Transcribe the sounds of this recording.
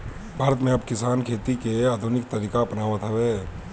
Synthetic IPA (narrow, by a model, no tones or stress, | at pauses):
bʱaːɾət̪mẽɐbkɪsaːnkʰeːt̪ikeaːd̪ʱʊnɪk̚t̪ɐɾiːkapnaːʋət̪ɦɛʋeː